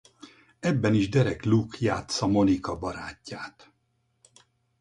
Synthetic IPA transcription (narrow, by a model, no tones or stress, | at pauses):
ɛbːɛniʒd̪ɛɾɛklukja̰ːt̪sɒmo̞nikɒbɒɾaːcːaːt̪